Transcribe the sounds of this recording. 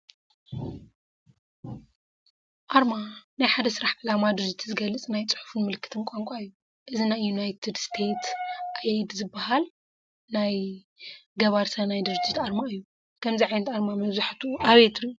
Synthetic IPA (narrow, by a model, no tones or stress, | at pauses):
ʔaɾmanajħad̪ɐsɨɾaħʕɨlamad̪ɨd͡ʒit̪ʰzɨɡɐlːɨt͡sʼnajt͡sʼɨ̥ħu̥fɨnmɨlɨkʰːɨ̥t̪ʰɨnkʷʼaŋkʷʼaɨjːu | ʔɨzinajːunajt̪ʰid̪st̪ʰet̪ʔajid̪zɨbːɐhal | naj | ɡɐβaɾsɐnajd̪ɨɾd͡ʒit̪aɾmaɨjːu | kʰɐmziʕajnɐt̪aɾmamɐβzaħt̪ʰuʔaβet̪ʰɨɾju